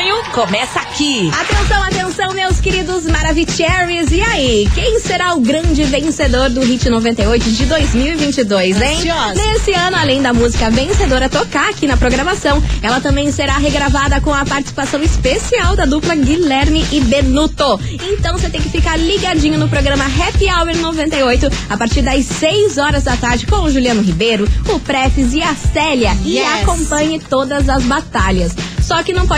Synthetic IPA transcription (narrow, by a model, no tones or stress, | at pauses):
ɲʊkomɛsakiat̪ẽsɐ̃w̃at̪ẽsɐ̃w̃mewskeɾid̪ʊzmaɾavit͡ʃɛɾizɪaikẽj̃seɾaʊɡɾɐ̃d͡ʒɪvẽsed̪oɾd̪ʊɦit͡ʃɪnovẽnt̪ejojt̪ʊd͡ʒɪd̪ojzmiwivĩnt͡ʃɪd̪ojsẽjnesɪɐ̃nʊalẽj̃d̪ɐmuzikɐvẽsed̪oɾɐt̪okaakinɐpɾoɡɾɐmasɐ̃w̃ɛlɐt̪ɐ̃mbẽj̃seɾaɦeɡɾavad̪ɐkõɐpaɾt͡ʃi̥si̥pasɐ̃w̃ɪspesiawd̪ɐd̪uplɐɡilɛɾnɪʔɪbeɾnut̪o | ẽt̪ɐ̃w̃set̪ẽj̃kɪfikaɾliɡad͡ʒĩɲʊnʊpɾoɡɾɐ̃mɐɦɛpiawbeɾnovẽnt̪ɐjojt̪ʊapaɾt͡ʃiɾd̪ɐsejzɔɾɐzd̪ɐt̪aɾd͡ʒɪkõw̃ʊʒuliɐ̃nʊɦibejɾʊʊpɾɛfizɪasɛʎɐɪakõpɐ̃ɲɪt̪od̪ɐzɐzbat̪aʎɐsːɔkɪnɐ̃w̃pɔ